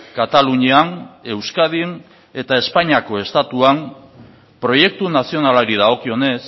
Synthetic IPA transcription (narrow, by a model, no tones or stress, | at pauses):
kat̪aluɲiane̞wskaðin | e̞t̪ae̞spaɲiako̞e̞st̪at̪uam | pɾo̞je̞k̚t̪unasio̞nalaɾið̞aɣo̞kio̞ne̞s